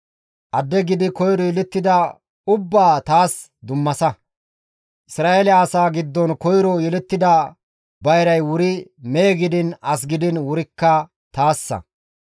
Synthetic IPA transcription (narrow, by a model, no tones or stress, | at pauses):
ʔɐd̪ːɛɡɪd̪ɪkɔjɾɔjɛlɛt̪ːɪd̪ɐ | ʊbːaːt̪aːs | d̪ʊmːɐsɐ | ʔɪsɾaːʔeːlɪːsaːɡɪd̪ːɔnkɔjɾɔjɛlɛt̪ːɪd̪ɐ | bɐjɾɐjwʊɾɪmeːɡɪd̪ɪnɐs̬ɡɪd̪ɪnwʊɾɪkːɐ | t̪aːsːɐ̰